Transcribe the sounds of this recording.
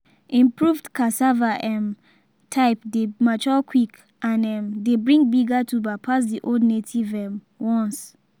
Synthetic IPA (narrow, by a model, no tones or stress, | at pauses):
ĩmpɹuvdkʰasavaʔɛ̃m | tʰaɪpdemat͡ʃɔkʰwik | ãnɛ̃mdebɹĩŋbiɡatubapʰas̬diʔodnetʰivɛ̃m | wɔ̃ns